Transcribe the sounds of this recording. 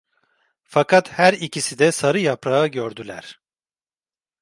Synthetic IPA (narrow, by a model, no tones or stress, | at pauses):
fakʰat̪hæɾicisid̪ɛsaɾɯjapɾaɯɟøɾd̪ylʲæ̰ɾ̥